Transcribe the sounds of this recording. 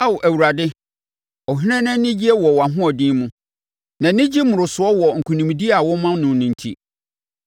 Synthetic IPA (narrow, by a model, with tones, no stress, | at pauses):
a˦wʔæ˨wu˨ɾa˨dɪ˦ | ɔ˨ɦi˦ɾɛ̃˦nɛ̃˦nɪ̃˦d͡ʑi˦ɛ˦wɔ˨wɔ˨a˨ɦʊ̃˦ɔ˨dĩː˦mʊ̃˨˦ | nã˨nɪ̃˦d͡ʑi˦mʊ̃˨ɾʊ˨sʊ˨˦ɔ˦wɔ˨ŋ̩˨kʰu˨nĩ˨m˨di˦a˨wɔ˦mã˦nʊ̃˦nʊ̃˨n̩˨tʰḭ˦